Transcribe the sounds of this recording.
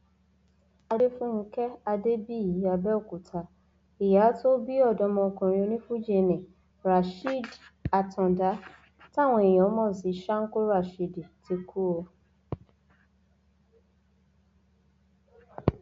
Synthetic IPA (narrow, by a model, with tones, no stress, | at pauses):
a˧de˦fũ˦n̩˦kɛ˦a˧de˦bi˦˨ji˨˦a˧bɛ˦o˦˨ku˨tʰa˨ | i˨ja˨˦to˦bi˦ɔ˦˨dɔ˧˦mɔ̃˧kũ˨ɾ̃ĩ˧o˧nĩ˦fũ˦d͡ʒe˧mɛ̃˨ | ɾa˨ʃi˦da˨tɔ̃˨da˨˦ | ta˦˨w̃ɔ̃˧e˨j̃ɔ̃˨˦mɔ̃˦˨si˨˦ʃa˦ŋ̩˦ko˦ɾa˦˨ʃi˦di˨ti˧kʰu˦o˧